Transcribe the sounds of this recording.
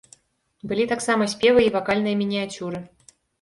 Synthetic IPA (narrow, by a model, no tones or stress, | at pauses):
bɨlʲit̪aksamɐsʲpʲevɨivakalʲnɨjɐmʲinʲiat͡sʲuɾɨ